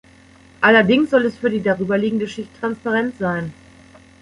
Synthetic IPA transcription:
ʔalɐdɪŋsz̥ɔlɛsfyːɐdiːdaʁyːbɐliːɡŋ̩dəʃɪçtʰːʁ̥anspaʁɛntz̥aɪn

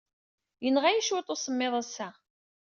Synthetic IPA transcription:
jənʁæjiʃwɪt̪ˤosəmːɪðˤæsːæ

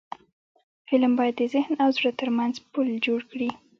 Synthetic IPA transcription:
fɪlmbɑjad̪̚d̪əzɪhnawzɽət̪əɾmanzpuld͡ʒoɽkɽi

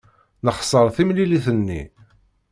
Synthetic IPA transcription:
nəχsˤəɾˤθimliliθənːḭ

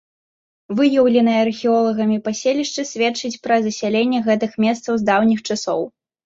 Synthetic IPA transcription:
vɨjɐwlʲɛnɨjɐɐrxʲiɔlˠɐɣɐmʲipasʲelʲiʂt͡ʂɨsʲvʲet͡ʂɨt͡sʲpɾɐzɐsʲalʲenʲːɛɣɛt̪ɨxmʲɛst̪sɐwzd̪awnʲixt͡ʂasɔw

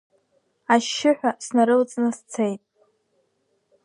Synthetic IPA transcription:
aʃːɪħᶣʷasnaɾɨlt͡sʼnɨst͡sʰejtʼ

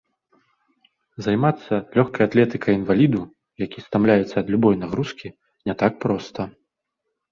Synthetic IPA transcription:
zajmat̪sːɐlʲɔxkɐjat̪lʲɛt̪ɨkʰɐjinvalʲid̪u | jakʲist̪amlʲajɛt̪sːɐːd̪lʲubɔjnaɣɾuskʲi | nʲɛt̪ak̚pɾɔst̪ɐ

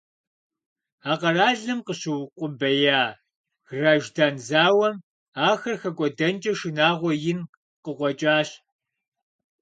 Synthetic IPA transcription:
aːqɐraːɮɨmqəɕɪwqʷʼʊbɐjaː | ɣraːʒdaːnzaːwɐm | aːxɐrxɐkʷʼɔdɐnt͡ʃʼɐʂɪnaːʁʷɔjɪn | qəqʷɔt͡ʃʼaːɕ

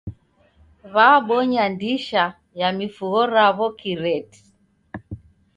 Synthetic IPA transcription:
βaɓɔɲandiʃa | jamifuɣɔɾaβɔkiɾɛti̥

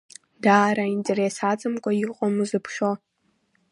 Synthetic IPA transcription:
daːɾaintʼe̞ɾesat͡sʼɨmkʷʼaiqʷʼɔmɨzɨpʰʃo

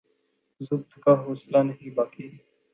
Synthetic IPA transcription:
zʊbt̪kaːɦoːslaːnəɦĩːbaːkiː

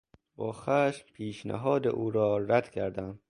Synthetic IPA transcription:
bɒːxæːʃmpʰiːʃnæ̰ɦɒːd̪ḛʔuːɾɒːɾæd̪̥kʰæɾd̪æm

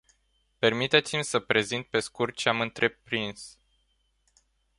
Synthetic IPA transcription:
pe̞rmit̪e̞t̪simʲsəpɾe̞zint̪̚pe̞skurt̪̚t͡ʃeamɨnt̪ɾe̞pɾins

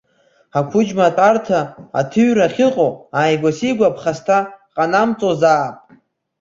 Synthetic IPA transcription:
akʷʰʊd͡ʒmatʼartʰaa̰tʰɨɥraχʲɪqʼoajɡʷasiɡʷapʰχastʰaqʼanamt͡sʼozaːpʼ

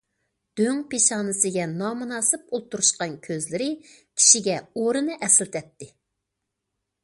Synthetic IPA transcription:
d̪̥øŋpeʃɑːnɨsɨɡʲɛnɑmunɑːsɨp̚olˠt̪uɾuʃqɑnkʲʰøzlɪɾɪkʲʰi̥ʃiɡʲɛoɾɨnɨʔɛsɪlt̪ʰɛt̪ːɪ

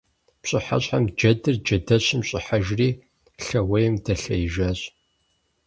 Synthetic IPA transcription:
pɕʼɪħa̰ɕʼħamd͡ʒɐdɨrd͡ʒɐdɐɕɪmɕʼɪħaʒriː | ɬɐwejɪmdɐɬɐjɪʒaːɕʼ

